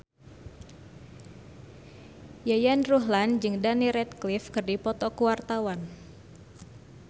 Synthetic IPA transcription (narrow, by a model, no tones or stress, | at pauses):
jajanruɦland͡ʒɨŋdaniɾɛt̪̚klifkɨrdipɔt̪ɔkuwart̪awan